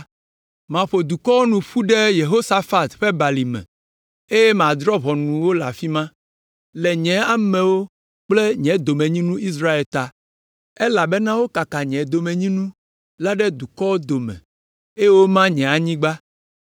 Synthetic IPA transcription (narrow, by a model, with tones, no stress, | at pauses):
mã˨ɸo˨d̪u˨kɔ˦wo˦nũ˨ɸu˦ɖe˦je˨ɦo˦sa˦fa˦t̪ɸe˦ba˨li˨mɛ̰̃˨ | e˦jɛ˦m˨ã˨d̪ɾɔ˦βɔ˨nũ˨wo˦la˨fi˦mã˦ | lɛ˨ɲɛ̃˨a˦mɛ̃˨wo˦ | k͡ple˦ɲɛ̃˨˦d̪o˨mẽ˨ɲĩ˦nũ˦i˦s̬ɾa˦e˨lt̪a˨ | e˦la˨be˦nã˦wo˦ka˨ka˨ɲɛ̃˨d̪o˨mẽ˨ɲĩ˦nũ˦ | la˦ɖɛ˦d̪u˨kɔ˦wo˦d̪o˨mɛ̰̃˨ | e˦je˦wo˦mã˦ɲɛ̃˨a˨ɲĩ˦ɡ͡ba˦